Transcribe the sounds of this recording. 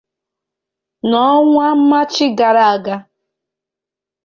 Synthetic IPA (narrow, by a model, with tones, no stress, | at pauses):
nɔ˦ŋʷa˦m̩˦ma˦t͡ʃɪ˦ɡa˨ɾa˨a˨ɡa˦